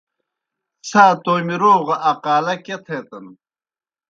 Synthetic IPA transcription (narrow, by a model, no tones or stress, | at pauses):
saːt̪oːmiɾoːʁʔaqaːlɐket̪ʰeːt̪ɐn